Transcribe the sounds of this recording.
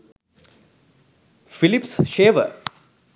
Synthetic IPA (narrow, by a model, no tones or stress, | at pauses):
filipsʃeːʋə̰